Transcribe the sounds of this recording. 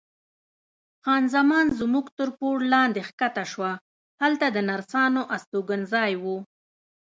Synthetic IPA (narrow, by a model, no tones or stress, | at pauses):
xɑnzamɑnzmuɡt̪əɾpoɽlɑnd̪exkat̪aʃwa | halt̪ad̪ənaɾsɑnoʔast̪oɡənzɑjwu